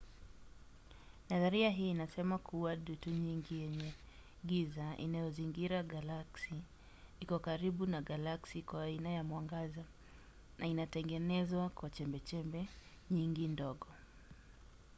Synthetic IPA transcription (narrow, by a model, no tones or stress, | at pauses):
naðaɾiaɦiːnasɛmakʰuwaɗutuɲiŋɡijɛɲɛ | ɡizaʔḭnajɔziŋɡiɾaɡalaksi | ikɔkaɾiɓunaɡalaksikwaːinajamwaŋɡaza | nainatɛŋɡɛnɛzwakwat͡ʃɛmbɛt͡ʃɛmbɛ | ɲiŋɡindɔɠɔ